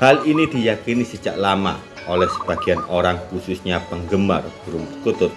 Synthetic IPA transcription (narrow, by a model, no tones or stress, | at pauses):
halinid̪̥i̤jakinisət͡ʃa̰ʔlama̰ | olɛhsəb̥a̤ɡ̥i̤anoɾaŋkususɲapəŋɡəma̰rb̥əɾumt̪ut̪ʊt̪̚